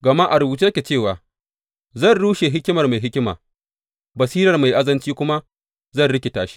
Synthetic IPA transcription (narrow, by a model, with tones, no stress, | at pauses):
ɡɐ˨ma˦ʔa˨ɾʊ˨buː˨tu˦kʲe˨t͡ʃeː˦˨waː˨ | zɐ˦˨nɽuː˦ʃe˨ɦɪ˦kʲɪ˦mɐ˨rma˨jɦɪ˦kʲɪ˦ma̰ː˨ | bɐ˨siː˦ɾɐ˨rma˨jʔa˦zɐ˦nt͡ʃiː˦kʷʊ˦ma˦ | zɐ˦˨nɽɪ˦kʲe˨taː˦ʃi̥˦